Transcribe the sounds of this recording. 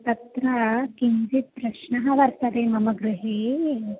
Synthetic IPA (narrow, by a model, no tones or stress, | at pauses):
t̪ɐt̪ɾɐkind͡zit̪̚pɾɐʃnɐɦɐʋɐɾsɐd̪emɐmɐɡɾuɦe